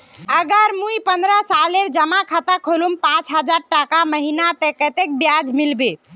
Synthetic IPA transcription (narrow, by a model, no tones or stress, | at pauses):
əɡəɾmujpənd̪ɾəsaleɾd͡ʒəmakʰat̪akʰolumpãt͡ʃɦəd͡ʒaɾʈakaməɦinat̪ekət̪ek̚bjad͡ʒmilbe